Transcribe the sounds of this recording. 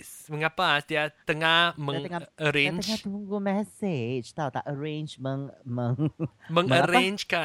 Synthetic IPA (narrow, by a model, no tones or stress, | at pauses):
məŋapast̪iat̪əŋahməŋəaʔəɾenəd͡ʒŋat̪uŋɡumɛsed͡ʒt̪awt̪aʔəɹẽnd͡ʒməŋməŋmə̃ŋəɾnd͡ʒka